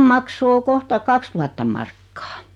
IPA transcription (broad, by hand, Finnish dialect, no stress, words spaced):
mɑkso o kohtɑ kɑkstuhɑtːɑm mɑrkːɑː